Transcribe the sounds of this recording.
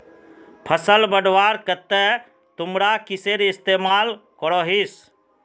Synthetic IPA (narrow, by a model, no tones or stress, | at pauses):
pʰəsəlbəɖʱʋaɾkət̪e | t̪ʊmɾakiseɾɪst̪emalkɔɾɔɦis